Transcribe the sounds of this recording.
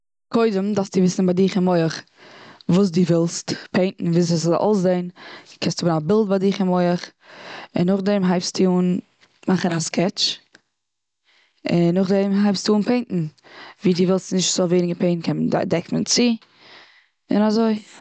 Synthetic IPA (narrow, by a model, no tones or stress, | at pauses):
kʰoɪdəmdafstdɪvɪsn̩baɪdɪχɪmɔɪəχ | vuːs̬duːvɪlˠstpʰeɪntn̩viːs̬sʔo̰lsdeɪnkʰɛnstʊbənabɪlˠd̚baɪdɪχɪmɔɪəχ | ɪ̰nːʊχdɛmɦaɪpstiuːn | maχənaskʰɛt͡ʃ | ɪnːʊχdɛmɦaɪpstuːnpʰeɪnʔn̩viːdiːvɪlˠstnɪʃtz̥oveɪnɪɡəpʰeɪn̩kʰɛnda̰dɛkmnt͡sɪ | ɪ̰nazoɪ